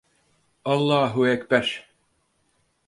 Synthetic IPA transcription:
ɑlˠːɑːɦuækpæʃ

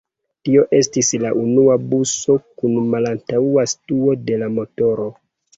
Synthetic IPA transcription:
tio̞ʔe̞stislaʔunuabuso̞kunmalantauastuo̞de̞lamo̞to̞ɾo̞

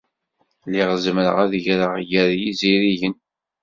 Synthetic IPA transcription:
liʁzmɾəʁæðʝɾəʁjəɾjiziɾiʝən

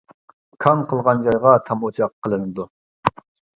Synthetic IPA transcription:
kʰɑnqʰəlˠʁɑnd͡ʒɑjʁɑt̪ʰɑmot͡ʃʰɑqʰːəlˠɨnɨd̪u

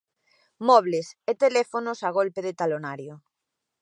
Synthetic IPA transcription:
mɔβleset̪elɛfonosaɣ̞olpeðet̪alonaɾjo

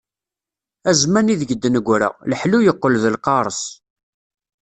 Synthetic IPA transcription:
æzmæniðəɡəd̪ːənəɡʷɾə̰ʁləħlujəqːəlðəlqɑɾˤəs

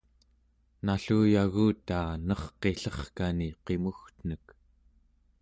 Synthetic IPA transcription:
naɬuːjaɣuːt̪aːnʌχqe̞ɬʌχkaniqe̞muxt̪n̥ək

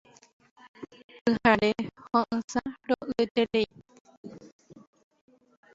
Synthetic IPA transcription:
pɨhaɾehõʔɨ̃saɾoʔɨet̪eɾei

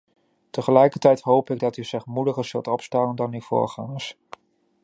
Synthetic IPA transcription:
təχəlɛjkəɹtɛjtɦowpɪɡ̚dɑtyzɪχmudəχəɹz̥ɵlˠtɔpstaːəndɑnyvo̰ːɹχa̰ːnəs

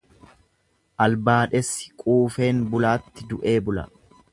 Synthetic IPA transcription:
ʔɐlbaːᶑɛsːɪ̥kʼuːfe̞ːnbʊlaːt̪ːɪd̪ʊʔe̞ːbʊlɐ̰

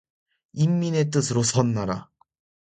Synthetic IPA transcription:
imːine̞t̬͈ɯsʰɯɾosʰʌnːaɾa̰

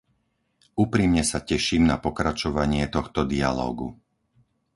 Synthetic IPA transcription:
uːpɾimɲɛsacɛʃiːmnapɔkɾat͡ʃɔʋaɲɪɛt̪ɔxt̪ɔd̪ia̰lɔ̰ːɡṵ

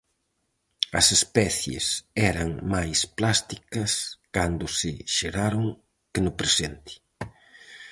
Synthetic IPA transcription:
ɐsespɛθjḛsɛɾɐŋmajsplast̪ikɐskand̪ʊsɪʃeɾaɾoŋ | kɪnʊpɾesent̪ɪ̥

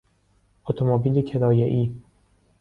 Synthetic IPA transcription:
ʔot̪ʰomobiːlecʰed̪ɒːjeʔiː

